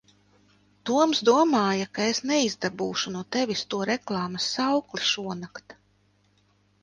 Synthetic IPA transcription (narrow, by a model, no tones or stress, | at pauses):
t̪uɔmsd̪uɔmaːjakaesnɛizd̪abuːʃunuɔt̪evʲist̪uɔɾeklˠɑːmɐsːawkliʃuɔnakt̪